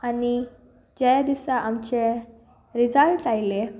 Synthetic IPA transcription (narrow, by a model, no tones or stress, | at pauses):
ani | d͡ʑajad̪isaʔamt͡ɕe | ɾid͡zalʈajle